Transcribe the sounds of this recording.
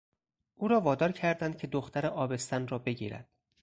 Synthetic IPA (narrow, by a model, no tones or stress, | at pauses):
ʔuːɾɒːvɒːd̪ɒːɾcʰæɾd̪æn̚cʰe̞d̪oxt̪ʰæɾeʔɒːbe̞st̪ænrɒːbe̞ɟḭːɾæ̰nd̪̥